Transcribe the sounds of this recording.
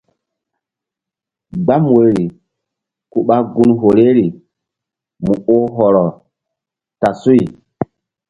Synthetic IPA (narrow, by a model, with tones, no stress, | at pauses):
ɡ͡ba˦m˨wo˨˦ɾɾi˨ | ku˦ɓa˦ɡu˦nɦo˨le˦ɾi˨ | mu˨o˦ɦɔ˨ɾɔ˨ | ta˨su˦i˨